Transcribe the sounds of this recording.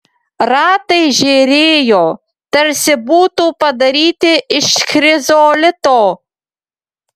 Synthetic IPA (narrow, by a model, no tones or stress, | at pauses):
ɾɑːt̪ɐjʒʲeːɾʲeːjoː | t̪ɐɾʲsʲɪbuːt̪uːpɐd̪ɐɾʲiːt̪ʲɪɪʃxʲɾʲɪzoːlʲɪt̪oː